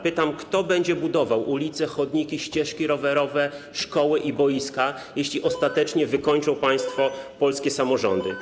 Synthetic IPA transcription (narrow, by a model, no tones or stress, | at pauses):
pɘt̪amkt̪ɔbɛɲd͡ʑɛbud̪ɔvawʔulʲit̪sɛxɔd̪ɲikʲiɕt͡ɕɛʂkʲiɾɔvɛɾɔvɛ | ʂkɔwɘʔibɔjiska | jeɕlʲiʔɔst̪at̪ɛt͡ʂɲɛvɘkɔɲt͡ʂɔ̃w̃paj̃st̪fɔpɔlskʲɛsamɔʐɔ̰nd̪ɘ